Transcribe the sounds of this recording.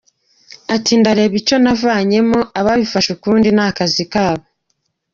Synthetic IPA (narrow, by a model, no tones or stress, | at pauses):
atiːndaɾe̞βit͡ʃo̞navaːɲe̞moʔaβaβifaʃukuːndinakazikaːβo